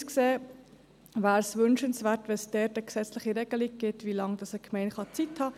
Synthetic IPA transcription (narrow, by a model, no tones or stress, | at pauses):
skseː | væːɾsʋʏnʃənsʋæːɾtʋɛnsd̥ɛːɾtəksɛt͡slɪχiɾɛɡ̥əliɡ̚ɡ̥ɪtʋilɑŋd̥ɑsəkʰmɛɪnχɑt͡sithɑː